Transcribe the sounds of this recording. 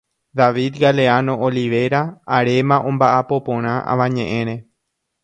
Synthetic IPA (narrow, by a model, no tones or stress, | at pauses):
ðaʋid̪ɡaleanõ̞ʔoliʋe̞ɾaːɾe̞mãʔõmbaʔapo̞põɾ̃ãʔa̰ʋãɲẽʔẽ̞ɾ̃ẽ̞